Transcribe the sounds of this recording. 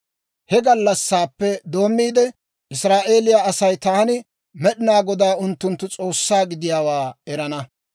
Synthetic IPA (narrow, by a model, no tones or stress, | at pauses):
hɛɡɐlːɐsːaːpːɛd̪o̞ːmːiːd̪ɛ | ʔɪsɾaːʔe̞ːlɪjaɐsɐjt̪ɐɐnɪ | mɛɗɪnaːɡɔd̪aːʊnt̪ːʊnt̪ːʊt͡sʼo̞ːsːaːɡɪd̪ɪjaːwaːɛɾɐnɐ